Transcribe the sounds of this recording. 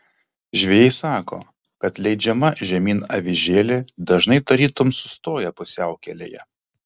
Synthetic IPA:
ʒʲʋʲeːjɛɪsɑːko̰ː | kɐt̪lʲɛɪd͡ʒʲɛmɐʒʲɛmʲiːnɐʋʲɪʒʲeːlʲed̪ɐʒnɐɪt̪ɐɾʲiːt̪ʊmsʊ̥st̪oːjɛpʊsʲæˑʊkʲɛlʲḛjɛ̰

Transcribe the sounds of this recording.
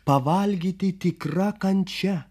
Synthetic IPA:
pɐʋɐlʲɡʲiːt̪ʲɪt̪ʲɪkɾɐkɐnʲt͡ʃʲɛ

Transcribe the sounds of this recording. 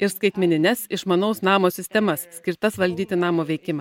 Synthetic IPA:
ɪɾskɐɪt̪ʲmʲɛnʲɪnʲɛsɪʃmɐnoːsnɑːmoːsʲɪsʲt̪ʲɛmɐssʲkʲɪɾt̪ɐsʋɐlʲd̪ʲiːt̪ʲɪnɑːmoːʋʲɛɪkʲɪmɑ

